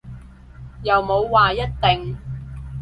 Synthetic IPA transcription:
jɐ˨wmo˨˧wːaː˨jɐ˥t̚t̪ɪ˨ŋ

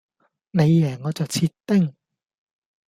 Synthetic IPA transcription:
ne˨˧jːɛː˨˩ŋɔː˨˧t͡sɐ˨wt͡sʰiː˧tt̪ːɪ˥ŋ

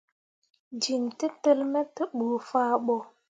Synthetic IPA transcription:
d͡ʒi˨ntə˦tə˦lmə˦tə˦ɓu˨faː˦ɓɔ˨

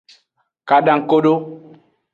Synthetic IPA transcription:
ka˨ɗã˨ŋ̩˨ko˦ɗo˦

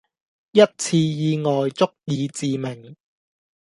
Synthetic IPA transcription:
jɐ˥t̚t͡sʰiː˧jiː˨˧ŋɔː˨˩jt͡sʊ˥k̚jiː˨˧t͡siː˨mɪ˨˩ŋ

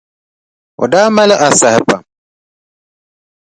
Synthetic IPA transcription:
ɔ̰˨daː˦ma˦lɪ˦ʔa˨sa˨hɪ˨pa˨

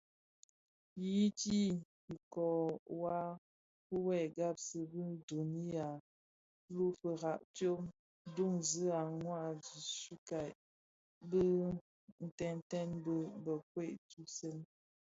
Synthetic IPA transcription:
ji˦ti˦ | i˨kɔ˨wa˦ | pə˦wɛ˦˨ɡa˦p̚sə˨bə˦n˦do˨ni˦a˨ | lu˦fə˨ɣa˨ʔtjo˦m | du˦ŋzə˦a˨ŋwa˦˨zi˨su˦ka˨ | bə˦ | n̩˨tɛ˦n˦tɛ˦nbə˦bə˨k̚we˦˨ʔtu˦se˦n

